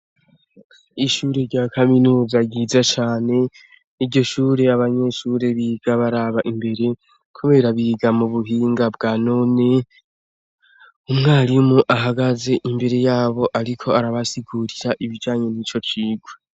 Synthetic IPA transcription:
iʃuːɾeɾɟaːkʰaminuːzaɡiːzat͡ʃaːne̞ | iɾɟo̞ʃuːɾe̞aβaɲe̞ʃuːɾe̞βiːɡ̥aβaɾaβaʔimbe̞ɾe̞ | kʰuβe̞ːɾaβiːɡamuβuɦiːŋɡabɡaːno̞ne̞ | umŋaːliumuʔaɦaɡaze̞ʔimbe̞ɾe̞jaːβo̞ʔaɾikʰo̞aɾaβasiɡuɾiɾaʔiβid͡ʒaːɲe̞niːt͡ʃo̞t͡ʃiːɡwe

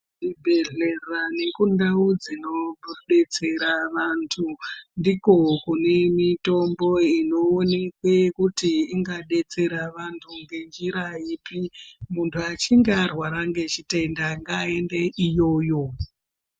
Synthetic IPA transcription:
ndibʱe̞ɮe̞rane̞kundaud͡zino̞bʱuɗe̞t͡se̞ɾaʋantʰundiko̞kune̞mito̞mbo̞ino̞ːne̞kwekutiiŋɡaɗe̞t͡se̞ɾaʋantʰuŋɡe̞nd͡ʒiɾaipimuntʰuat͡ʃiŋɡearwaɾaŋɡe̞t͡ʃite̞ndaŋɡae̞ndeʔijo̞ːjo̞

